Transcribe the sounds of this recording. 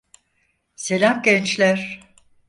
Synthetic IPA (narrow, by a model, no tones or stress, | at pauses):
se̞lʲamɟɛnt͡ʃlʲæɾ̥